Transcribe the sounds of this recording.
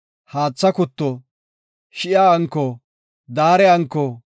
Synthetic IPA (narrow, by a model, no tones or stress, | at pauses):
haːt͡sːɐkʊt̪ːɔ | ʃɪjaɐŋkːɔ | d̪aːɾɛɐŋkːɔ